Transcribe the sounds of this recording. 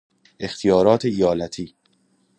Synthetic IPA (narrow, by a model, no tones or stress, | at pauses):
ʔe̞xt̪ʰijɒːɾɒːt̪ʰeijɒːlæt̪ʰiː